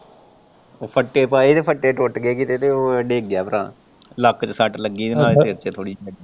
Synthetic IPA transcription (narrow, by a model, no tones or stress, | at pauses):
oːpʰəʈːeːpaːet̪eːpʰəʈːeːʈoʈɡeːkiːt̪eːt̪eːoːɖeːɡjaːpəɾã̰ː | ləkt͡ʃəsəʈləɡːiːnãːeseːɾt͡ʃeːt̪ʰoːɽiːləɡiː